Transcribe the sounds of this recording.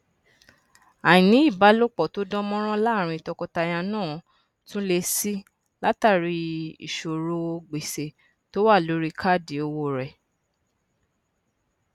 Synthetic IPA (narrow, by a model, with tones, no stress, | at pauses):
a˨j̃ĩ˨nĩ˨˦i˦˨ba˨˦lo˦k͡pɔ˨to˦dɔ̃˦mɔ̃˦ɾ̃ɔ̃˦la˦˨ɾ̃ĩ˧i˨tɔ˧kɔ˧ta˧j̃a˧nãː˦˨ | tũ˦le˧si˦ | la˦ta˦˨ɾi˧ḭ˨ʃo˨ɾo˧ɡ͡be˨se˨ | to˦wa˦˨lo˨˦ɾi˦kʰa˦˨di˨o˧wo˧˨ɾɛ˨